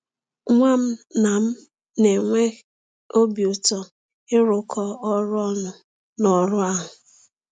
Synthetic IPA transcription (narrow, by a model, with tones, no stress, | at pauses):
ŋʷa˦m̩˦na˨m̩˦ | ne˨ŋʷe˦ | o˦bi˨ʊ˨tɔ˨ | ɪ˦ɾʊ˨kʰɔ˦ɔ˦ɾʊ˦ɔ˦nʊ˨ | nɔ˨ɾʊ˦a˦ɦʊ˨